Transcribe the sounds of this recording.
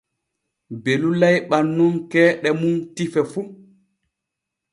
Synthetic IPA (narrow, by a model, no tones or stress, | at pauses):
belulajɓanːunkɛːɗɛmuntifɛfu